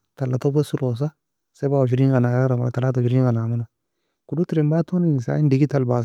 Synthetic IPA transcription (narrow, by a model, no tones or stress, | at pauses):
talːatobesuɾos̬a | sebawoʃ̬iɾiɡanaaɾama̰ɾtalatoʃiɾiŋɡanamana | kudutiɾimbatonisa̰indiɡitalbas